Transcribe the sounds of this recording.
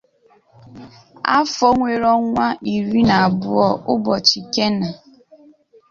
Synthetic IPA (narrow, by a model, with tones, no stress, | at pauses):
a̰˦fɔ˦ŋʷe˨ɾɔ˦ŋʷa˦ʔi˨ɾi˦na˨a˨bʊ˦ɔ˦ʔʊ˦bɔ˨t͡ʃi˨ke˦na˨